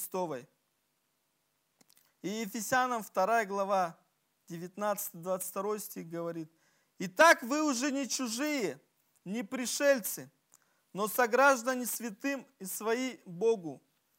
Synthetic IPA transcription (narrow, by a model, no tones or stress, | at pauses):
st̪o̞vəj | ijɪfʲɪsʲanəmft̪ɐɾajəɡlˠɐva | dʲɪvʲɪt̪nat̪sɨ̥t̪ɨjd̪vat̪sɨ̥tʲt̪ɐɾo̞jsʲtʲixɡəvɐɾʲit̪ | it̪akvɨʊʐɛnʲɪt͡ɕʊʐɨjə | nʲɪpɾʲɪʂɛlʲt̪sɨ | nosɐɡɾaʐd̪ənʲɪsʲvʲɪt̪ɨmisvɐiboɡʊ